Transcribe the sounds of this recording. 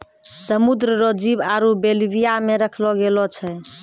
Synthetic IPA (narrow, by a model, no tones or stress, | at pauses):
səmud̪ɾəɾod͡ʒibaɾubelbijameɾəkʰlɔɡelɔt͡ʃʰɛ